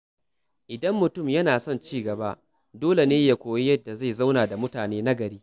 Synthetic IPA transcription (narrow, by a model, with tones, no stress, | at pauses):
ʔɪ˨dɐ˦mːʊ˨tʊ˦˨mjɐ˦naː˨sɔ˦nt͡ʃiː˦ɡɐ˨ba˦ʔ | doː˦le˨neː˦ja˦kʷoː˨ji˦jɐ˦dːa˨za˦˨jza˦wnaː˨da˨mʊ˦taː˨neː˦na˦ɡɐ˨ɽiː˦